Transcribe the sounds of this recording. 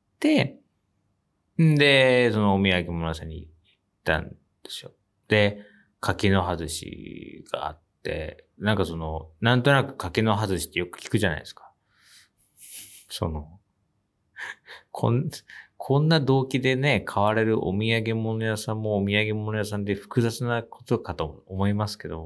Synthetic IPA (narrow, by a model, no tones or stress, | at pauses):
t̪e̞ | d̪e̞so̞noːmʲiaɡe̞monojasãɲ̟i | i | t̪ːã̰n | d̪̥e̞̥so̞ | d̪̥e̞ | kʰakeno̞ɦazɨɕḭɡ̥a̰a̰t̪ːe̞̰ | nãŋkaso̞no̞nãnt̪o̞nakɯ̟̥kakeno̞ɦazɨɕi̥t̪ːejo̞kɯ̟̥kʲi̥kɯ̟ʑana̰id̪eskḁ | so̞̰no̞ | kʰo̰nkʰõ̞nːad̪o̞ːkʲid̪e̞ne̞kʰaβaɾe̞ɾɯ̟ʔo̰mʲiaɡe̞mo̞no̞jasãmːo̞ːmʲiaɡe̞mo̞no̞jasãnd̪e̞ɸɯ̥kɯ̟zat͡sɨnakʰo̞t̪o̞kat̪o̞ːmo̞imasɨ̥ke̞d̪o̞